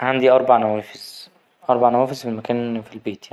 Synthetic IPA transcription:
ʕand̪iʔɑɾˤbaʕnæwæːfez̥ | ʔɑɾˤbaʕnæwæːfezfemækæːnfilbeːt̪jai

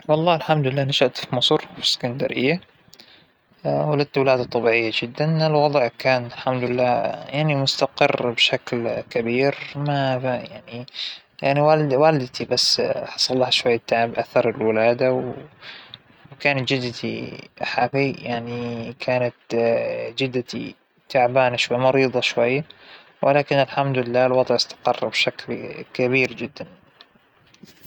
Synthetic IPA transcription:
wɑlˤːɑːɪlħamd̪lɪlːaːnaʃaʔt̪fimɑsˤɾfi̥sːɪ̥kand̪aɾɪ̰jːa | walad̪̚t̪wɪlaːd̪at̪ˤɑbiːʕɪjːad͡ʒɪd̪ːanɪlwɑd̪ˤʕkaːnt̪lħamd̪lɪlːaːjaʕnimʊst̪aqɪrbʃaklkabiːɾmajaʕni | jaʕniwalwaːlɪd̪t̪ibasːħɑ̥sˤɑlˤːɑːhʃwajːat̪ːaʕɪbʔaθɑɾˤɪlwɪlaːd̪aw | kaːnat̪d͡ʒɪd̪t̪ʰḭħafijaʕnikʰaːnat̪ | d͡ʒɪd̪ːat̪ḭ | t̪aʕbaːnaʃwajːmɑɾiːðˤɑʃwajːa | wʔɪlaːkɪnɪlħamd̪lɪlːaːlwɑd̪ˤʕɪst̪ɑ̥qɑ̰rˤːbʃaklkaβiːɾd͡ʒɪd̪ːan

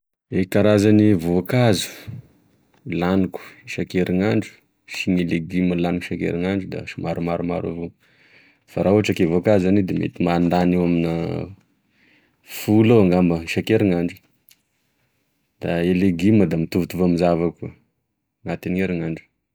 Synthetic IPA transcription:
ekaɾazanivoakazu̥ | laniku̥ʃakeɾiŋaɳɖ͡ʐu̥ | ʃiɲeleɡiməlaniku̥ʃakḛɾiŋaɳɖ͡ʐud̪a̰ʃimaɾumaɾuma̰ɾa̰vo | faɾauɦaʈ͡ʂakevoakazaned̪emḛt̪imand̪anewaminə̰ | fuloaŋɡambəʃakeɾiŋaɳɖ͡ʐu̥ | d̪̥aeleɡiməd̪amit̪uvut̪uvamizavakuə | nat̪ineɾiŋaɳɖ͡ʐu̥

